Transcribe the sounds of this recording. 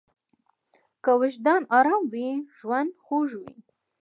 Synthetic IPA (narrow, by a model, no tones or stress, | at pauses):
kəwɪʃd̪ɑnɑɾɑmwiʒwand̪xoʒwḭ